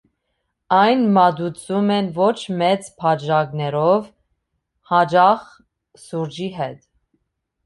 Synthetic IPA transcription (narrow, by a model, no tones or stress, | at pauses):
ɑjnmɑd̪ut͡sʰumɛnvɔt͡ʃʰmɛt͡spʰɑd͡ʒɑɡnɛɾɔv | hɑd͡ʒɑχ | suɾd͡ʒiɦɛt̪